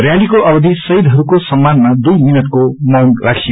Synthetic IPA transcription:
rjalikoʔʌbʌd̪ʱisʌɦid̪ʱɦʌɾukosʌmːanmad̪ujminʌt̪̚komʌmrakʰij

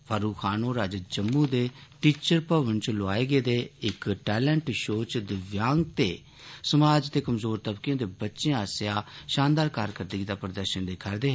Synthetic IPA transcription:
pʰaːɾuːkʰaːnõːɾaːd͡ʒd͡ʒəmːuːd̪eːʈiːt͡ʃəɾpəʋənt͡ʃloaːeːɡeːd̪eːɪkʈɛːlə̃ɳʈʃoːt͡ʃd̪ɪʋjaːŋɡ̚t̪eː | səmaːd͡ʒt̪eːkəmzoːɾt̪əbkjãːd̪eːbətːʃẽaːsjaːʃãːnd̪aːɾkaːɾkəɾd̪əɡiːd̪aːpɾəd̪əɾʃənd̪ekʰaːɾd̪eːɦɛ

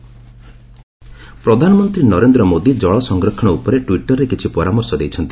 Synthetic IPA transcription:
pɾɔd̪ʱanɔmɔnt̪ɾinɔɾend̪ɾɔmod̪id͡ʒɔɭɔsɔŋɡɾɔkʰːɔɽ̃ɔupɔɾeʈwiʈɔɾekit͡ʃʰipɔɾamɔɾsɔd̪ejt͡ʃʰɔnt̪i̥

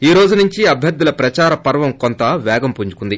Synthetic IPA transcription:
iːɾo̞ːd͡ʒunuɲt͡ʃiɐbʱjɐɾd̪ːulɐpɾɐt͡ʃaːɾɐpɐɾʋɐmkont̪ɐʋɛːɡɐmpuɲt͡ʃu̥kund̪i

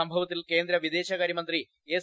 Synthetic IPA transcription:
ɐmbʱɐʋɐt̪ːilke̞ːnd̪ɾɐʋid̪e̞ːɕɐɣɐɾimɐnd̪ri | eːs

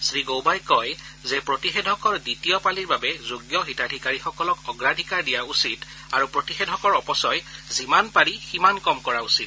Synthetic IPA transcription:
sɹiɡowbajkɔj | zɛpɹotixedʱɔkɔɹditijɔpaliɹbabɛzuɡjɔxitadʱikaɹixɔkɔlɔkɔɡɹadʱikaɹdijausit | aɹupɹotixedʱɔkɔɹɔpɔsɔjzimanpaɹiximankɔmkɔɹausit

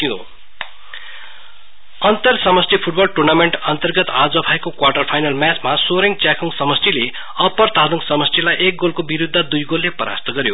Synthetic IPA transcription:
kino̰ | ʌnt̪ʌrsʌmʌst̪ʰipʰuʈ̚bʌlʈurnameɳʈʌnt̪ʌrɡʌt̪ad͡zʌbʱajekokwarʈʌrpʰajnʌlmjat͡smasoɾiŋt͡sakʰuŋsʌmʌst̪ʰile | ʌpʌrt̪ad̪uŋsʌmʌst̪ʰilajʔek̚ɡolkobiɾud̪ʱːad̪ujɡolːepʌɾa̰st̪ʰʌɡʌɾjo

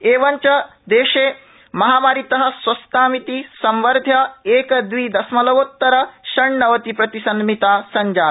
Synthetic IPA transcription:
eːʋɐɲt͡ʃɐ | d̪eːʃeː | mɐɦaːmaːɾit̪ɐɦɐ̆swɐst̪aːmit̪isɐmʋɐɾd̪ʱjɐeːkɐd̪ʋiːd̪ɐsmɐlɐʋot̪ːɐɾɐʃɐɳːɐʋɐt̪ipɾɐt̪isɐnmit̪aːsɐɲd͡ʒaː

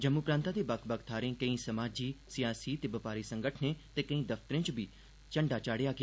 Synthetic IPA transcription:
d͡ʒɐmupɾãːnt̪at̪ebɐkʰbɐkʰt̪ʰaːɾẽkɐ̃ĩsɐmaːd͡ʒiːsijaːsit̪ebɐpaːɾisɐ̃ŋɡəʈʰnet̪ekɐ̃ĩd̪ɐft̪əɾɪ̃t͡ʃbʱi | t͡ʃɐ̃ɳɖat͡ʃaːɽejaːɡɪaː

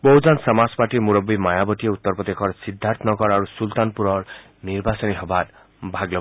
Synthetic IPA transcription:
boɦud͡ʒansɔmaspaʈimuɾɔbːimajabɔʈieut̪ːɔɾpɾɔd̪ekʰɔɾsid̪ʱːaɾt̪ɔnɔkɔɾaɾusult̪anpuɾɔɾ | niɾbasɔniɦɔbaɾ | bʱaɡlɔ

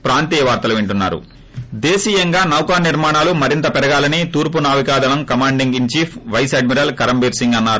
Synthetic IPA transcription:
pɾaːnt̪iːjɐʋaːɾt̪ɐluʋiɳʈunːa̰ːɾṵ | d̪eːsiːjɐŋɡaːnɐwkaːniɾmaːɳaːlumɐɾint̪ɐpɛɾɐɡaːlɐnit̪uːɾp̬unaːʋikaːd̪ɐnɐmkɐmaːɳɖiŋɡiɲt͡ʃiːpʰʋɐjsɐɖmiɾaːlkɐɾɐmbiːɾsiŋɡɐnːaːɾu

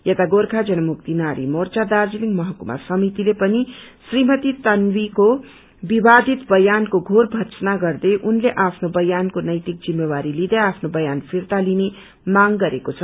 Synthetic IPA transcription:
jet̪aɡorkʰad͡zʌnʌmuk̚t̪inaɾḭmort͡sad̪ard͡ziliŋɡmʌɦʌkuma̰sʌmit̪ilepʌni | srimʌt̪it̪ʌnwiko | bibad̪ʱit̪bʌjankoɡʱorbʱʌsnaɡʌrd̪eʔunleʔapʰnobʌjankonʌjt̪ik̚d͡zimːewaɾilid̪eapʰnobʌjanpʰirt̪aline | maŋɡʌɾekot͡sʰʌ

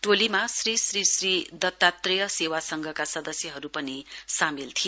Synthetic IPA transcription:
ʈolimasrisrisrid̪ʌt̪ːat̪rijʌsewasʌŋɡʱʌkasʌd̪ʌsjʌɦʌɾupʌnisamilt̪ʰi

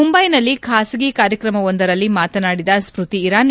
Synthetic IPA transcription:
umbɐjnɐlːikʰaːsɐɡikaːɾjɐkɾɐmɐond̪ɐɾɐlːimaːt̪ɐnaːɽid̪ɐspɾut̪iːɾaːn

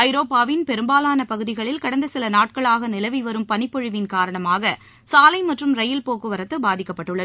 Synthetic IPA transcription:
ɐɪɾoːpːaːʋɪnpɛɾɯmbaːlaːnɐpɐɣɯðɪɣɐɭɪlkɐɽɐnd̪ɐsɪlɐnaːʈ̚kɐɭaːɣɐnɪlɐʋɪʋɐɾɯmpɐnɪpːɔɻɯʋɪnkaːɾɐɳɐmaːɣɐ | saːlɐɪmɐʈrɯmɾɐjɪlpoːkːɯʋɐɾɐt̪ːɯbaːðɪkːɐpːɐʈːɯɭːɐð

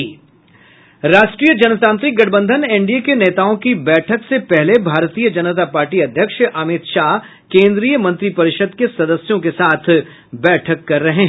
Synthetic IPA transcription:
ɾaːʃʈɾiːjəd͡ʒɐnt̪ãːnt̪ɾɪk̚ɡɐʈʰbə̃nd̪ʱənẽɳɖijekeneːt̪aːõkibɛːʈʰəksepɛɦlebʱaːɾt̪ijəd͡ʒɐnət̪̬apaːɾʈiɐd̪ʱjəkʃaːmɪt̪ʃaːɦ | kẽːnd̪ɾiːjəmɐ̃nt̪ɾipɐɾɪʃəd̪kesɐd̪əsjõkesaːt̪ʰ | bɛːʈʰəkːɐɾːɐɦẽɦ

